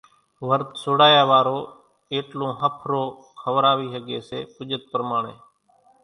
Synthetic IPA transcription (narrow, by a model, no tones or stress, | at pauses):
ʋəɾt̪soːɽaːjaːʋaːɾoː | eːʈlõːɦəpʰɾoː | kʰəʋɾaːʋiːɦəɡeːseːpʊd͡ʒət̪̚pəɾmaːɳeː